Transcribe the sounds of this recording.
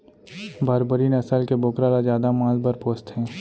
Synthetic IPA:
bʱaɾbəɾinəsəlkeboːkɾalazjaːd̪amãːlbəɾpoːst̪ɦɛ̃ː

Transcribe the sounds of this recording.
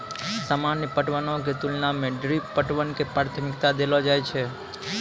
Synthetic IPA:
səmanipəʈʋənok̬et̪ulnamẽɖɾippəʈʋənkepɾaɾt̪ʰəmɪkt̪ad̪elod͡ʒajt͡ʃʰe

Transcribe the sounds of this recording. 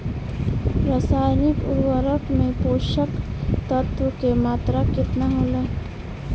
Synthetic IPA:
ɾasaːjnɪkʊ̰ɾwəɾəkmẽpoːʃəkt̪ət̪wəkemaːt̪ɾakɪt̪naɦoːlaː

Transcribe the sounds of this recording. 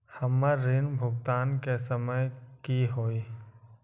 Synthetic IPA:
hɐmːəɾɾːinbʱʊɡt̪aːnkesəməjkiɦoːiː

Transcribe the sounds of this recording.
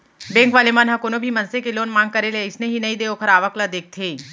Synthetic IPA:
bɛ̃ːŋkʋaːlemaːnɦɐkonobʱimɐ̃nsekeloːnmãːŋɡ̚kɐɾeleɪsneɦinɐĩd̪eːoːkʰəɾaːʋəklad̪eːk̚t̪ʰeː

